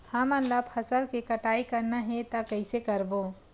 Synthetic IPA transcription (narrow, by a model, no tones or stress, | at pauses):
hɐmənləbʰɐsəlkekɐʈaːikɐɾnaɦɛt̪ɐkɐɪsekɐɾbo